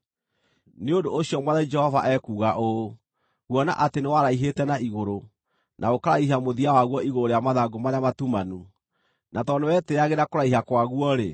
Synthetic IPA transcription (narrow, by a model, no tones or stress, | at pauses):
neondoːɕiɔmwaðɛd͡ʒɛhɔvaʔɛkuːɣaʔo | ɣwɔna̰ʔatenewaɾaiɦetɛnaiɣoɾo | nʔaokaɾaiɦamoðiawaɣwɔiɣoɾoɾejamaðaɡomaɾeamatumanu | nʔatɔnewɛteaɣeɾakoɾaiɦakwaɣwɔɾe